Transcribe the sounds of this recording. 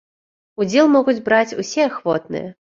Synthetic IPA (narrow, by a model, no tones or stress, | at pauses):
ud͡zʲɛlˠmɔɣud͡zʲbɾat͡sʲusʲɛaxvɔt̪̚nɨ̰jɛ